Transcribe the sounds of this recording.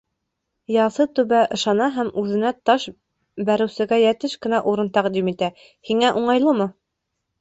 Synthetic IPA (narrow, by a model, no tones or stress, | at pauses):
jɑsɤt̪ʉβæʔɤ̆ʃɑnɑɦæmʉðɘ̆næt̪ɑʃ | bæɾɘ̆wsɘ̆ɡæjæt̪ɘʃkɘ̆næʔuɾɤnt̪æqd̪imit̪æ | hiŋæʔuɴɑjlˠɤmɤ